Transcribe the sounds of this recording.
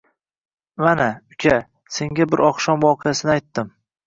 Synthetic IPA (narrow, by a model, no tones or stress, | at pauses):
manaʊkʲʰa | se̞ŋɡʲabɪɾɒqʃɒmwɒqʰɨjasɪnɪajt̪ːɪm